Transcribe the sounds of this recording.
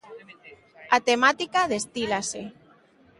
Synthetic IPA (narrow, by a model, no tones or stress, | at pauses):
at̪emat̪ikaðest̪ilase